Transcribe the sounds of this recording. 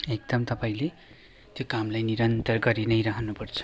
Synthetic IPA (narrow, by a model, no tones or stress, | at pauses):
ek̚d̪ʌmt̪ʌpaĩle | t̪jokamlajniɾʌnt̪ʌrɡʌɾinʌjɾaɦʰnupʌrt͡sʰʌ̥